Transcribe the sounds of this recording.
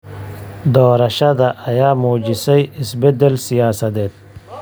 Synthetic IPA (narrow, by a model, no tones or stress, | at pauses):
d̪oːɾɐɕad̪aʔːjaːmod͡ʑisɐjisbed̪elsijaːsɐd̪et̪̚